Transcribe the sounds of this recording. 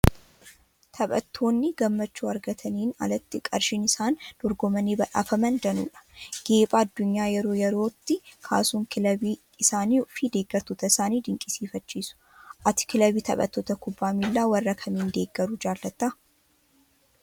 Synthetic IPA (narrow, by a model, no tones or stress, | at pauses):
t̪ʰɐɓʼɐ̰t̪ʰːo̞ːnːɪɡɐmːɐt͡ʃːuːɐɾɡɐt̪ʰɐniːnɐ̰lɐt̪ːɪkʼɐɾʃɪnɪsaːnd̪̥ɔɾɡɔmɐneːbɐᶑa̰ːfɐmɐnd̪ɐnṵːᶑɐ̥ɡ̥e̞ːpʼaːɐd̪ːʊɲːaːjɛɾo̞ːjɛɾo̞ːt̪ːɪkʰa̰ːsuːŋkʰɪlɐbiː | ɪsaːniːʊfɪd̪e̞ːɡːɐɾt̪ɔt̪ɐɪsaːniːd̪ɪŋkʼɪsiːfɐt͡ʃːiːsʊ̥ | ʔɐt̪ɪ̥kɪlɐbiːt̪ʰɐ̰ɓʼɐ̰t̪ːɔt̪ɐkʊbːaːmilːaːwɐrːɐkʰɐmiːnd̪e̞ːɡːɐɾʊd͡ʒaːlːɐt̪ːaː